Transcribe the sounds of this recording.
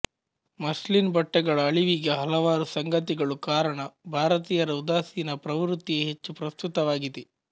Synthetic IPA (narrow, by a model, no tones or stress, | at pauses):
mɐslinbɐʈːɐɡɐɭɐːɭiʋiɡeɦɐlɐʋaːɾusɐŋɡʱɐt̪̬iɡɐɭukaːɾɐɳɐbʱaːɾɐt̪iːjɐɾɐud̪aːsinɐpɾɐʋɾut̪ːieɦet͡ʃːupɾɐst̪ut̪ɐʋaːɡid̪e